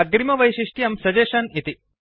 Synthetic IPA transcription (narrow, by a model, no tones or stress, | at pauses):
ɐɡɾimɐʋɐjʃiʂʈjɐmsɐd͡ʒeːʃɐnit̪i